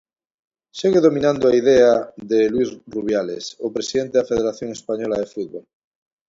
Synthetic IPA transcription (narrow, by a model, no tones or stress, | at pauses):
seɣeðomĩnãnd̪oaið̞eaðelwizruβ̞jalḛsopɾesiðent̪eðafeðeɾaθjoŋespaɲolaðefuð̚βol